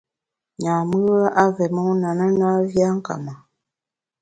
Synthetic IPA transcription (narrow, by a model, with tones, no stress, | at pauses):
ɲa˨mɨ˦a˦ʔa˦vɛ˨mə˦na˨nə˦na˦vja˦ŋ̩˦ka̰˨ma˨